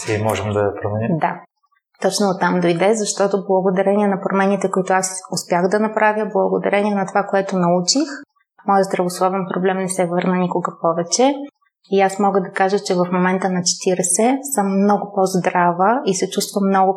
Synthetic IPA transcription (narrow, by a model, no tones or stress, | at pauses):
imɔʒɛmd̪ɐɐpɾomɛnid̪a | t̪ɔt͡ʃnoːt̪ːamd̪ojd̪ɛzɐʃt̪ɔt̪ʊblˠɐɡod̪ɐɾɛniɛnɐpɾomɛnit̪ɛkoit̪ʊasʊspjaɣd̪ɐnɐpɾavjəblˠɐɡod̪ɐ̰ɾɛnʲiɛnɐt̪ovakoɛt̪ʊnɐut͡ʃix | mɔjəzd̪ɾɐvoslˠɔvɛnpɾoblɛmnɛsɛvɤɾnənʲikoɡəpɔvɛt͡ʃɛ | iasmɔɡəd̪ɐkaʒət͡ʃɛvɐfmomɛnt̪ənɐt͡ʃɛ̥t̪iɾɛsɛsɤmːnɔɡʊpozd̪ɾavəisɛt͡ʃust̪vəmːnɔɡʊ